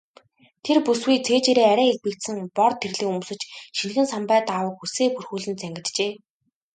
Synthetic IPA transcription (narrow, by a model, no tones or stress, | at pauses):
t̪ʰerpuswujt͡sʰeːt͡ɕeːɾeːæɾæːeɮpɘ̆kt̪sɘ̆ŋpɔrt̪ʰːerɮiːŋumsɵ̆t͡ɕʃin̆xɘ̆nsampæːt̪awə̆k̚xuseːpurxuːɮɘ̆nt͡sæŋɡʲɪ̆t̪t͡ɕeː